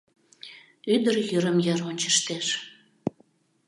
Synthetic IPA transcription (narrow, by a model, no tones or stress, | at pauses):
yd̪əɾjyɾəmjɑɾonʲt͡ɕə̥̆ʃt̪eʃ